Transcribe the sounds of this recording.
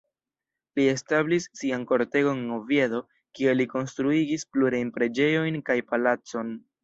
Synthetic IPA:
lie̞stablisːianko̞ɾte̞ɡo̞ŋeŋovie̞do̞ | kie̞liko̞nstɾuiɡispluɾajnpɾe̞d͡ʒe̞jo̞jnkajpalat͡so̞n

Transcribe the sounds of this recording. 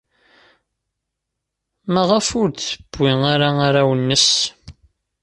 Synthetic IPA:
mæʁəfʊɾθəb̥ːiŋaɾaaɾawənːəs

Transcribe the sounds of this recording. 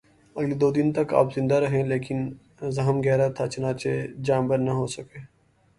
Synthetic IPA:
ɐɡlid̪oːd̪ɪnt̪ɐka̰ːpzɪ̃nd̪aɾɐɦẽleːkɪn | zɐɦəmɡɛːɾat̪ʰat͡ʃɐnaːt͡ʃed͡ʒaːmbəɾnaɦoːsɐkeː

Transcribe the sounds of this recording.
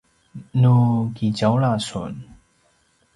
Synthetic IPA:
nukit͡ɕawlasṵn

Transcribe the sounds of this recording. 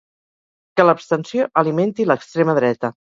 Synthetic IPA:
kələpst̪ənsioʔəliment̪iləkst̪ɾeməðɾɛt̪ə

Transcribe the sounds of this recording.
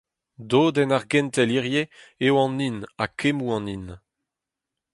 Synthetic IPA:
d̪oːd̪ɛnaʁɡɛnt̪ɛliʁjeewɑ̃ninakʰemuɑ̃nin

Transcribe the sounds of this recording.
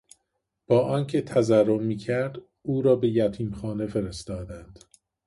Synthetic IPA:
b̥ɒːʔɒːncʰe̞t̪ʰæzærːommiːcʰæɾd̪ | uːɾɒːbe̞jæt̪ʰiːmxɒːne̞fe̞ɾe̞st̪ɒːd̪ænd̪̥

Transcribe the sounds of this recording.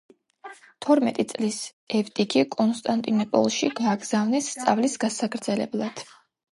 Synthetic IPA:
t̪ʰɔɾmɛt̪ʼit̪sʼlis | ɛvt̪ʼikʰikʼɔnst̪ʼant̪ʼinɔpʼɔ̰lˠʃiɡ̥aːɡz̥avnɛsːt̪sʼa̰vlisɡasakʰɾd̪zɛlɛblˠad̪̥

